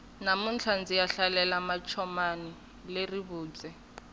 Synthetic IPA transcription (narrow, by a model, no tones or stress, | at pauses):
namunt͡ɬʰand͡zijaɬalɛlamat͡ʃʰɔmani | leriβuːt͡sɛ